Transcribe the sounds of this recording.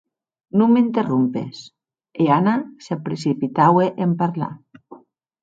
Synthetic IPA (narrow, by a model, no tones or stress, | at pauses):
nummint̪erumpḛs | eanasepɾesipit̪aweʔempaɾla̰